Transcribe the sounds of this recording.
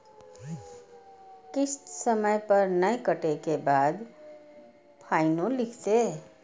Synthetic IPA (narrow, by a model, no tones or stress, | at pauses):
kɪssəməjpɐɾnəekəʈekebaːd̪ | pʰaːɪnõlɪkʰt̪e